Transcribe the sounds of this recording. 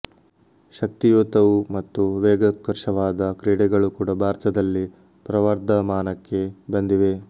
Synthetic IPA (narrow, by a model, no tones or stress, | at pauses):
ʃɐk̚t̪ijoːt̪ɐʋumɐt̪ːuʋɛːɡɐkːɐɾʂɐʋaːd̪ɐkɾeːɽɛɡɐɭukuːɽɐbʱaːɾt̪ɐd̪ɐlːi | pɾɐʋɐɾd̪ʱɐmaːnɐkːe̞bɐnd̪iʋe̞